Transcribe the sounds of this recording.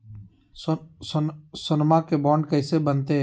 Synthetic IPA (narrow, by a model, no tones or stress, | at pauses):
ssʊnmakebɔːɳɖkɐːsebənt̪eɦɛ